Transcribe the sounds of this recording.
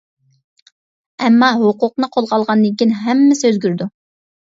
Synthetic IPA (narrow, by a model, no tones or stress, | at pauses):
ɛmːɑɦʊqʊqnɨqʰolˠʁɑlˠʁɑnd̪ɨŋkʲinɦɛmːɪsøzɡʲyɾd̪u